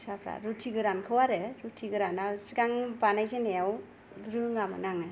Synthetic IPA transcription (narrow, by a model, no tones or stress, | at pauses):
sapʰɾa̰ɾutʰiɡɯɾankʰɯwaɾɯɾutʰiɡɯɾanasiɡaŋbanajzenejaw | ɡɾɯŋamɯ̰naŋɯ